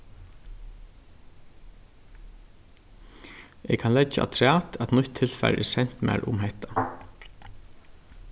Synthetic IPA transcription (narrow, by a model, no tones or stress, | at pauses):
ɛkʰanlɛaʔa̰t̪ʰɾæːt̪æt̪nʊt̪ʰːɪlfaɪɾʔɛ̰sɛn̥t̪mæ̰ɾʔʊ̰mɦɛht̪a